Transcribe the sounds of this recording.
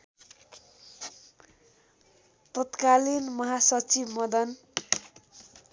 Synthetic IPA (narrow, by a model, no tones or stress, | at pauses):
t̪ʌt̪kalinmʌɦasʌt͡sibmʌd̪ʌn